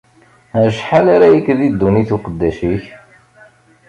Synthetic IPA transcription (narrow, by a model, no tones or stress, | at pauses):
æʃħalaɾajəkːðid̪ːuniθuqəd̪ːæʃiç